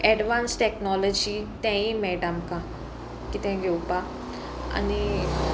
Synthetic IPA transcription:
ɛɖʋãːnsʈɛknɔːlɔd͡ʒit̪ɛ̃ĩmɛːɖəmka | kit̪ẽɡeupa | ɐ̰ni

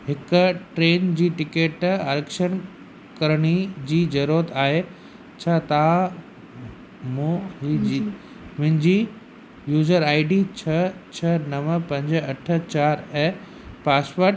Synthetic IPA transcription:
ɦɪkʊʈɾeːnd͡ʑiːʈɪkeːʈɐɾekʃən | kɐɾɽ̃id͡ʑiːd͡ʑɐɾuət̪aːɦe | t͡ɕʰaːt̪ɐʋã | mũɦi | mʊ̃ɦɪ̃ɲd͡ʑiː | juːzəɾaːɪɖit͡ɕʰɐt͡ɕʰɐnɐʋəpɐ̃ɲd͡ʑɐʈʰə̆t͡ɕaːɾɛ | paːspoɾʈ

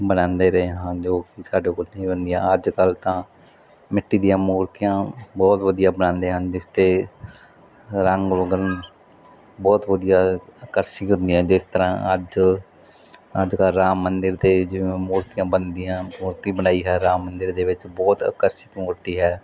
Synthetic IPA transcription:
bənãːnd̪eːɾəɦeɦãːd͡ʒoːkɪsaːɖeːkolnĩːbənd̪ijãːəd͡ʒkəlt̪ãː | mɪʈːiːd̪ijãːmuːɾt̪ijãːbɔːt̪ʋəd̪ijãːbənãːnd̪eːɦənd͡ʒɪst̪eː | ɾəŋɡloɡən | bɔːt̪ʋəd̪ijaːəkəɾsɪkɦʊ̃nd̪iːãːd͡ʒɪst̪əɾã̰ːʔə̰d͡ʒ | əd͡ʒkəlɾaːmːənd̪əɾt̪eːd͡ʒɪmuːɾt̪ijãːbənd̪ijãːmuːɾt̪ĩːbənaːiːɦɛːɾaːmːənd̪əɾd̪eːʋɪt͡ʃbɔːt̪ə̰kəɾsɪkmuːɾt̪iːɦɛː

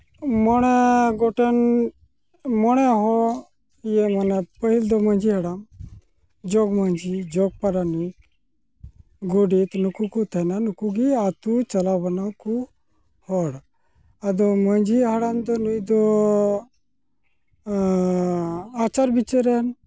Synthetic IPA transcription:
mɔɽ̃eɡoʈen | mɔɽ̃eɦɔ | jemɔnepəɦild̪ɔməɲd͡ʒiɦaɽam | d͡ʒoɡməɲd͡ʒid͡ʒɔɡ̚paɾani | ɡoɖit̪nukukut̪ʰananukuɡiat̪ut͡ʃɐlabənaku | hɔɽ | ad̪ɔməd͡ʒiɦaɽand̪ɔnid̪ɔ | at͡ʃaɾbit͡ʃəɾen

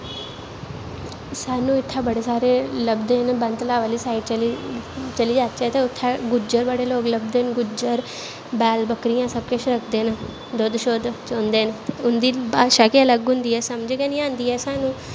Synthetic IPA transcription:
saːnũːɪt̪ʰːãːbəɽeːsaːɾeːləbd̪eːnbə̃nt̪laːʋəːliːsaːɪʈt͡ʃlt͡ʃəliːd͡ʒaːt̪t͡ʃɛːt̪eːʊt̪ʰːaːɡʊd͡ʒəɾbəɽeːloːkləbd̪eːnɡʊd͡ʒəɾ | bɛːlbəkɾijãːsəb̚keʃɾəkʰd̪eːn | d̪oːd̪ʃoːd̪t͡ʃõːnd̪eːnt̪eʊnd̪iːbaːʃaːkeələɡɦʊ̃nd̪iːɛːsəmd͡ʒekɛːnĩãːnd̪iːɛːsaːnũː

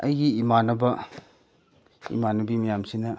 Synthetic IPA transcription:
ɐjɡiːmanɐbɐ | ḭmanɐbimɐjamsinɐ

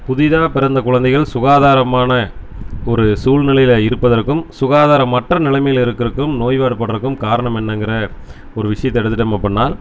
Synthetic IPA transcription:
pʊðɪðaːpɪɾɐnd̪ɐkʊɻɐnd̪ɐɪɣɐɭsʊɣaːðaːɾɐmaːnɐ | ɔɾɯsuːlnɪlɐjɪlɪɾɯpːɐðɐrkːɯmsʊɣaːðaːɾɐmːɐʈrɐnɪlɐmɐjɪlɪɾɯkːɪɾɯkːɯmnoːjʋaːɽɯpːɐɽɐɾɯkːɯmkaːɾɐɳɐmɛnːɐŋɡɪɾɐ | ɔɾɯʋɪʂɐjɐt̪ːɛɽɯt̪ːɯʈ̬ːɛmːɐpːɐɳːaːl

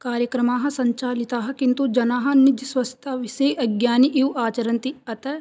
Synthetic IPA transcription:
kaːɾjəkɾɐmaːɦɐ̆sɐɲt͡ʃaːlit̪aːɦɐ̆kĩnt̪ud͡ʒɐnaːɦɐ̆nɪd͡ʒ̪swɐst̪ʰaːʋɪsejʔɐɡjaːniʔiwaːt͡ʃɐɾɐ̃nt̪iɐt̪ɐ

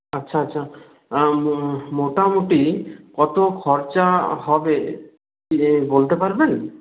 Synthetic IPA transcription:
ətːʃʰaətːʃʰa | moʈamuʈikɔt̪okʰɔɾt͡ʃaɦɔbe | ibolt̪epaɾben

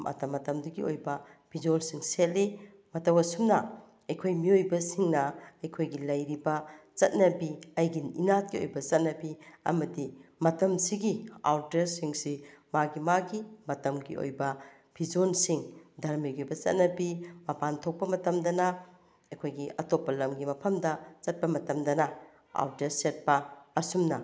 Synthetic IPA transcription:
mʔɐ̰tɐmɐtɐmdɐɡio̰jbɐb̥ʱid͡ʒonsiŋset̚li | mɐtɐwɐsumnɐ | ɐjkʰojmiojbɐsiŋnɐɐjkʰojɡilɐjɾibɐt͡ʃɐt̚nɐbiɐjɡinḭnat̚kio̰jbɐt͡ʃɐt̚nɐbiɐ̰mɐdimɐtɐmsiɡia̰wtɐɾsiŋsimaɡimaɡimɐtɐmɡḭo̰jbɐ | b̥ʰʱid͡ʒonsiŋdʱɐɾmiɡibɐt͡ʃɐ̰t̚nɐbimɐpantʰok̚pɐmɐtɐmdɐnɐ | ɐjkʰojɡiɐtopːɐlɐmɡimɐpʰɐmdɐt͡ʃɐt̚pɐmɐtɐmdɐnɐ | a̰wdeɾset̚pɐɐsumnɐ

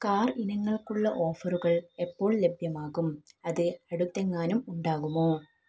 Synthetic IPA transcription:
kaːrinɐŋːɐɭkuɭːɐʔo̞ːfɐruɣɐɭe̞pːo̞ːɭle̞bʱjɐmaːɣumɐðɨɐɽut̪ːeŋːaːnumuɳɖaːɣumoː

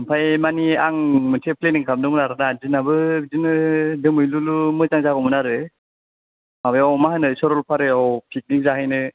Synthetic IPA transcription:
mpʰajmaniaŋmɯntʰepʰleniŋkʰam̚dɯŋnaɾɯnazinabɯzinɯdɯmɯjlulumɯzaŋzaɡɔmɯnaɾɯ | mabɯjawmaɦanɯsɔɾɔlpʰaɾɯɔwpʰik̚nik̚zaɦajnɯ

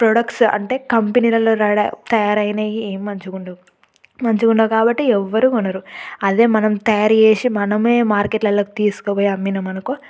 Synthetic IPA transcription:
pɾoːɽɐkʈsɐ̰ɳʈe̞ːkɐmpeniːlɐloːɾɐɽɐt̪ɐjaːɾɐjnɐjieːmimɐɲt͡ʃuɡuɳɖa | mɐɲt͡ʃukuɳɖɐːkaːbɐʈːiɛʋːɐɾuunɐɾuɐd̪e̞ːmɐnɐmt̪ɐjaːɾeːsimɐnɐmeːmaːɾkeʈlɐlːoːkit̪iːsu̥kopoːjeɐmːinɐmɐnɐku

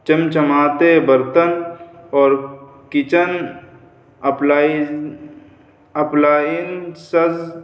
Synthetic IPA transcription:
t͡ʃɐmt͡ʃəmaːt̪ebəɾt̪ənɔːɾ | kɪt͡ʃən | pla | ɐplaːinsɐz

